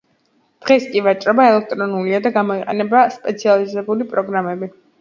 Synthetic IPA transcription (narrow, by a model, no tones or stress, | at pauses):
d̪̥ʁɛskʼivat͡ʃʼɾɔbaɛlɛk̚ʰt̪ʼɾɔnuliad̪aɡamɔiqʼɛ̰nɛbaspʼɛt̪sʰializɛbulipʼɾɔɡɾamɛbi